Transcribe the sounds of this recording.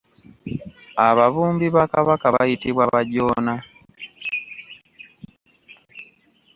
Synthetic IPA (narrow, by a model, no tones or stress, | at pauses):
aβaβumbiβakaβakaβaitiβwaβaɟɔna